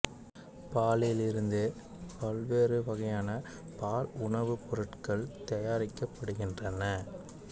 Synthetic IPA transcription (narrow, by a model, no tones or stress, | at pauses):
paːlɪlɪɾɯnd̪ɯ | pɐlʋeːɾɯʋɐɣɐjaːnɐ | paːlʊɳɐʋɯpɔɾɯʈkɐɭt̪ɐjaːɾɪkːɐpːɐɽɯɣɪndrɐnɐ